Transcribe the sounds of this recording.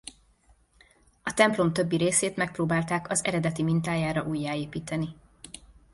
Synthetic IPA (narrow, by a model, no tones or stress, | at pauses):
ɒt̪ɛmplo̞mt̪ø̞bːiɾeːseːt̪mɛk̚proːbaːlt̪aːkɒzɛ̰ɾɛd̪ɛt̪imint̪aːjaːɾɒʔuːjːaːeːpiːt̪ɛni